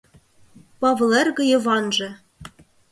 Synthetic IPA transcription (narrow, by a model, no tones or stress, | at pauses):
pɑvlˠerɣɤ̆jɤ̆vɑnʐɤ̆